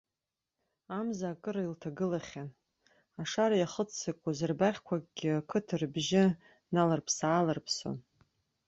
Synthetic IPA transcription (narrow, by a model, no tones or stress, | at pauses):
amzaːkʼɨɾailtʰaɡɨlaχʲan | aʂaɾajaχət͡st͡sakʷʼazɨrbaχʲkʷʰakʼɡʲɪakʰɨtʰɨrbʒɪ | nalarpʰsaːlarpʰso̰n